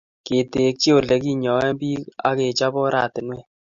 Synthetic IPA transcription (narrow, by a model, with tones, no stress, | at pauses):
ke˨te˨k̚t͡ʃi˦o˨lɛ˨˦ki˦ɲɔ˨wɛ˦mbiː˦ka̰˦ke˨t͡ʃa˦bɔ˦ɾa̰˨tɪ˨nwɛ˦